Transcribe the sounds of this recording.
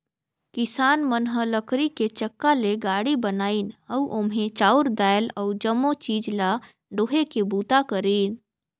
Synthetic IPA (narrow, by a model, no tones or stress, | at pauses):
kɪsaːnmənɦələkɾiket͡ʃəkːaleɡaːɽibənaːinəuʔomɦẽt͡ʃaːuɾd̪ajləud͡ʒəmːot͡ʃiːd͡ʒla | ɖoːɦekebuːt̪akəɾiːn